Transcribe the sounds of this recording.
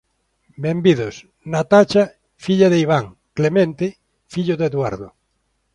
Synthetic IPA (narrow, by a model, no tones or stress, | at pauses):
bembiðos | nat̪at͡ʃa | fiʎaðeiβ̞aŋ | klemẽnt̪e | fiʎoðeðwaɾðo̰